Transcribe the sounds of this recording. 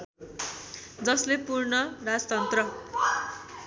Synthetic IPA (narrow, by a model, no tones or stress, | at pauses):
d͡zʌslepurɳʌrad͡zt̪ʌnt̪rʌ